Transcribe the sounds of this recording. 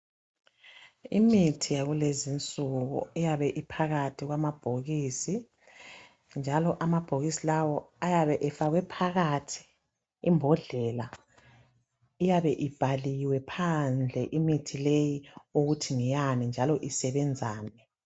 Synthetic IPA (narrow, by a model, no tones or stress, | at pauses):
imitʰijaɣulezint͡sʼuɣṵijaβɛʔipʰaɣatʰiɣwamab̥ʱoɣiːsi | nd͡ʒʱalɔʔamab̥ʱoɣisilawɔajaβɛʔɛfaɣwɛpʰaɣatʰi̥ː | mbʱɔɮɛla | ijaβɛʔib̥ʱaliwɛpʰand͡ɮʱɛʔimitʰilejiuɣutʰiŋijanind͡ʒʱalɔʔisɛβɛnd͡zʱaːnɛ